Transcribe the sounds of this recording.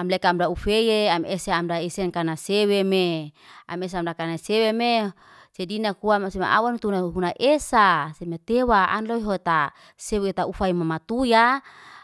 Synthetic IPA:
amlekaamdaufejeameseamdaisɛnkanasewemea̰mes̬eamdakanaseweme | sedinakuamsema̰ʔa̰wanut̪unaɦunaʔesasemet̪ewaʔa̰nloiɦoet̪a | sewet̪aufaimamat̪uja

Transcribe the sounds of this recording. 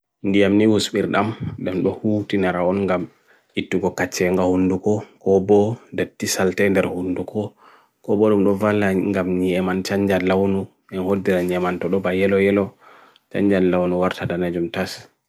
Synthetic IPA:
ndijamniwusɓiɾɗamɗamɗɔhutinaɾaɔnŋɡam | itːuɡɔkat͡ʃːɛŋɡahundukɔkɔbɔdatːisaltɛndɛɾhundukʰɔ | kɔbɔɗumɗɔvalːaŋɡamɲɛmant͡ʃaɲd͡ʒalawnu | ɛnhodːiɾaɲɛmantɔɗɔbajɛlɔjɛlɔ | t͡ʃa̰ɲd͡ʒallːawnuwaɾtadanad͡ʒumtas

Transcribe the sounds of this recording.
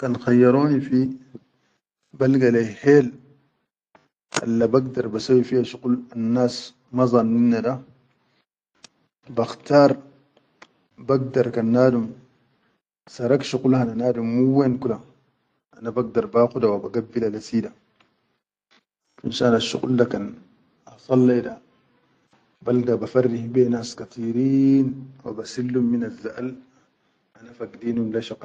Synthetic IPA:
kanxajːɑɾoːnifi | balɡalajheːl | ʔa̰lːabaɡ̚dɑɾˤbasawifihaʃuqulanːaːs | mɑzˤɑnːinːada | baxtaːɾˤ | baɡ̚dɑɾˤkanːaːdum | sɑɾˤakʃuqulhananaːdumːuwenkula | ʔanabaɡ̚d̪ɑɾˤbaːxud̪awabaɡabːilalasiːda | fḭnʃanaʃːṵqṵldakan | ɑsˤɑlːida | baldabafarːihbenaːskat̪ˤiːɾiːnwa̰basilːumːinazːaʔl | ʔanafaɡdiːnhumlaʃaq

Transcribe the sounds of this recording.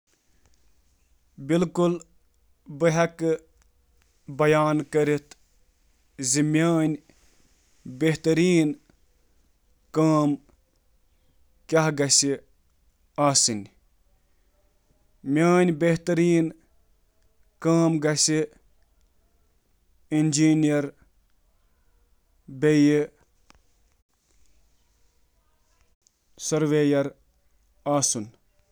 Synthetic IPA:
bilkul | bɨɦɐk | bɐjaːnkɐɾit̪ʰ | zimʲjaːnʲ | beɦt̪ɐɾiːn | kaːm | kʲaɦɡɐsi | aːsɨnʲ | mjaːnʲbeht̪ɐɾiːn | kaːmɡɐsi | ind͡ʒiːnijɐɾ | bej | sɐɾʋeːjɐɾ | aːsun

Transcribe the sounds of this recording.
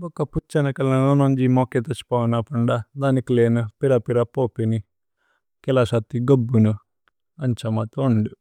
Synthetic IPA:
bɔkɐput͡ʃːɐnɐkɐlɐnonoɲd͡ʒimoket̪ɐt͡ʃi̥paːwnɐpɐɳɖɐd̪aːnikileːnupiɾɐpiɾɐpoːpini | kɛlɐʃat̪ːiɡobːunu | ɐɲt͡ʃɐmɐt̪oɳɖu

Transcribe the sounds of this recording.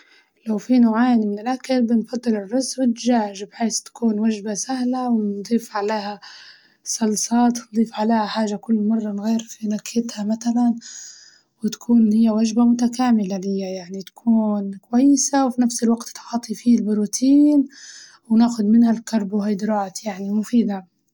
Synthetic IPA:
lawfinawʕaːjnimɪnɪlʔakalbɪnfɑd̪ˤːɨlɪrˤːʊzʔbɪt̪ʒaːʒɪbħeːst̪ḁkuːnwaʒbasahlawɪnd̪ˤiːfʕaleːha | sˤɑlsɑːt̪wnd̪ˤiːfʕaleːhaħaːʒakʊlːmɑrˤːɑnɣiːɾfinakːɪt̪hamat̪alan | wɪt̪ḁkʰuːnhɪjːawaʒbamʊt̪akaːmɪlalɪjːajaʕnit̪ḁkʰuːnkʊwajːɪsawfinafsɪlwaɡt̪t̪ħɑt̪ˤːifiːlbʊɾuːt̪ʰiːn | wnaːxʊd̪mɪnhalkɑɾˤbuɦajd̪ɾˤɑːt̪jaʕnimʊfiːd̪a

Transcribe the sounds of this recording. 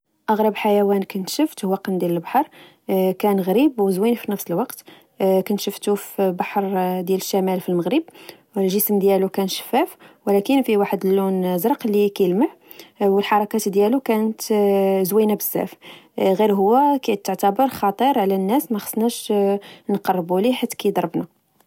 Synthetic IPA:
ʔɑɣɾəbħajæwænkænt̪ʃəft̪hwæqənd̪jæləlbɑħɑɾˤ | kænɣɾibwəzwinfinəfsəlwɑqt̪ | kænʃəft̪ufbɑħɾˤd̪jæləʃːæmælfilməɣɾəb̚ | əlʒəsmd̪jælukænʃə̥fːæfwəlækənfiwaħəd̪əlːunzɾˤqlikæjəlməʕ | wəlħɑɾˤɑkæt̪d̪jælukænət̪zwinæbəzːæ̰fɣiɾɦʊwːækæʕt̪ːəʕt̪æbəɾˤxɑt̪ˤəɾˤʕlænːæsmæxə̥sːˤnæʃ | nqɑrˤːbuliħat̪ːkæjd̪ˤɑɾˤbna

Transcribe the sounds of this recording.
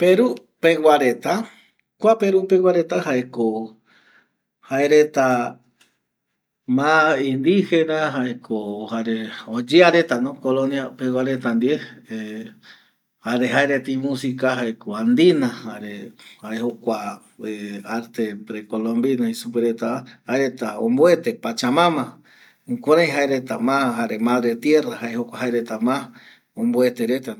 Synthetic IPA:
peɾu | pewaɾet̪a | kʷapeɾupewaɾe̞t̪aɦaeko | haeɾet̪a | mãind̪ihenaɦaekʰohaɾeod͡ʒeaɾe̞t̪anõkoloniapewʷaɾet̪and̪iee | haɾeɦaeɾet̪imũsikaɦaekoand̪inahaɾehaehokʷa | eaɾt̪epɾekolõmbinahisupeɾet̪aahaeɾet̪aõ̰mboet̪epat͡ʃamãmã | ũkʷaɾaj̃ɦaeɾet̪amãɦaɾemãðɾet̪jerahaehokʷaɦaeɾet̪amã | õmboet̪eɾet̪a

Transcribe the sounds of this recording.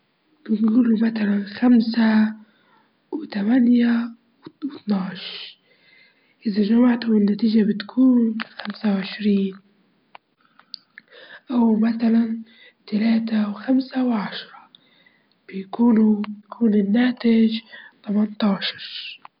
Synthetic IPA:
bɪɡɡulumaθalanxamsa | wt̪amanja | wɪt̪nɑʕʃ | ʔɪðaʒamaʕt̪ʊmɪnːat̪iːʒabɪt̪kʰuːnxamsawʕɪʃɾiːn | ʔawmaθalan | t̪alaːt̪awxamsawʕaʃɾˤɑ | b̥ɪjkuːnubjakʰuːnɪnːaːt̪ɪʒt̪amɑnt̪ˤɑːʃɑ̥ɾˤ

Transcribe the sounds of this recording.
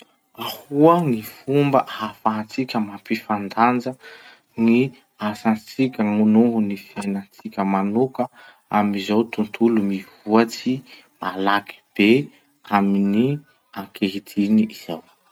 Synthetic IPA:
ahuəŋifumbə̰ʔafat͡sikʲəmapifand̪and͡zə | ni | asant͡sikʲəŋunuɦunifienant͡sikʲəmanukə | amizawt̪unt̪ʰulumivuat͡si | malaki̥b̥e | amini | aŋkʰeɦit̪ʰiniiz̥aw

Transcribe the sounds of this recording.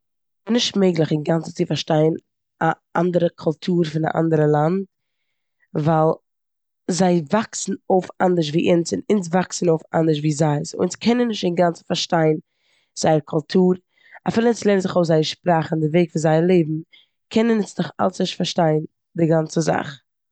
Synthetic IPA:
nɪʃtmeɪɡlˠɪχɪŋɡant͡sə̥t͡sɪfaɾʃtaɪən | aʔa̰ndəɾəkʰʊlˠtʰuːɾfɪna̰ʔa̰ndəɾəlˠant̚ | valˠ | zaɪvaksn̩oʊɪfandəɾʃ̬viːʔɪnsɪnɪns̬vaksn̩oʊfa̰ndəʃ̬viːzaɪso̰ɪnskʰɛnənːɪʃtɪŋɡant͡sfaɾʃtaɪn | z̥aɪəɾkʰʊlˠtʰuːɾ | afiːlˠəɪslˠeɪnəzɪχoʊzaɪəɾʃpɾaːχndɪveɪkfɪnzaɪəlˠeɪbm̩ | kʰɛnənɪsnɪχa̰lˠsnɪʃtfaɾʃtaɪn | dɪɡant͡səza̰χ

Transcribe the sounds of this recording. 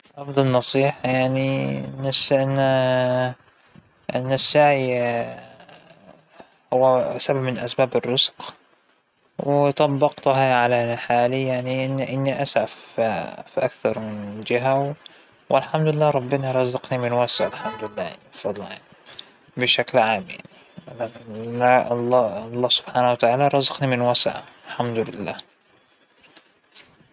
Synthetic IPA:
ʔɑfd̪ˤɑlnɑsˤiːħajaʕniɪnːasʔɪnːa | ʔɪ̰nːasːaʕi | hʊwːasababmɪnʔasbaːbɪrːʊzq | wɪt̪ˤɑbːɑqt̪ʊɦaʕalanaħaːlijaʕniʔɪnːʔɪnːiʔasʕaffiʔakθɑɾˤmɪnd͡ʒɪɦaw | wʔɪlħamd̪ɪlːaːɾˤɑbːɪnaɾˤɑzɑqnimɪnwasʕalħamd̪lɪlːaːja̰nibfɑd̪ˤlɑja̰ʕni | bɪʃaklʕaːmja̰ʕni | nalːɑlˤːɑːsʊ̥b̥ħaːnawat̪aʕaːlaɾˤɑzɑqnimɪnwasʕa̰ɪlħamd̪ʊlɪ̰lːa̰ː

